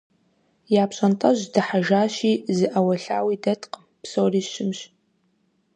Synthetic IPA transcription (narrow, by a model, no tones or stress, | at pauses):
jaːpɕʼɐntʼɐʑdɐħaʒaːʃiːzɨʔɐwɐɬa̰ːwiːdɐtʰʼqʼəmpsoːriːʃɪmɕ